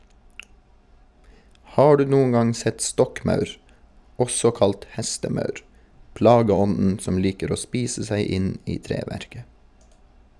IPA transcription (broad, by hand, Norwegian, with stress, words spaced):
ˈhɑː ˈɖʉː ˈnuːʊŋ ˈɡɑŋ ˈsɛt ˈstɔkˌmɑʉɾ ˈɔsɔ ˈkɑlt ˈhɛstəˌmɑʉɾ ˈplɑːɡəˌɔnn̩ ˈsɔm ˈliːkəɾ ˈoː ˈspiːsə ˈsæɪ ˈɪn ˈiː ˈtɾeːʋæɾkə